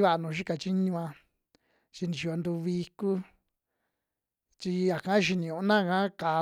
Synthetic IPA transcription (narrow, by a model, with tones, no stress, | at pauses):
βa˧a˧nũː˨˧ʃi˦ka˨t͡ʃi˦ɲũ˧ã˧ | t͡ʃi˧nĩ˨ʃi˧˨o˧nd̪u˧βi˧ku˦ | t͡ʃi˧ja˨kã˦ʃ̬i˧nĩ˨ũ˧˨˦nã˦˨kã˦ka˨